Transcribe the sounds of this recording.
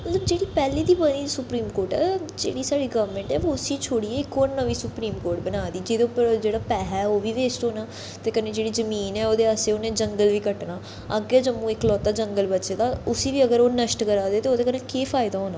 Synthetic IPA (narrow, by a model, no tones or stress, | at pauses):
mət̪ləb̚d͡ʒeːɽiːpɛːliːd̪iːbəniːsʊpɾiːmkoːɾʈɛ̰ːd͡ʒḛːɽiːsaːɽiːɡəʋmẽɳʈɛːoʊsiːt͡ʃʰoːɽiːɛːɪkoːɾnəʋiːsʊpɾiːmkoːɾʈ̚bənaːd̪iːd͡ʒeːd̪eʊpːəɾd͡ʒeːɽaːpɛːɦɛoːʋiːʋeːsʈɦoːnaː | t̪eːkəneːd͡ʒeːɽiːzəmiːnɛːoːd̪eːəseːoːnẽːd͡ʒəŋɡəlʋiːkəʈnaː | əɡɛːd͡ʒəmũːɪklɔːt̪aːd͡ʒəŋɡəlbətːʃeːd̪aːʊsiːʋiːəɡəɾoːnəʃʈkəɾaːd̪eːt̪eːoːd̪eːkəneːkeːfʰaːɪd̪aːɦoːnaː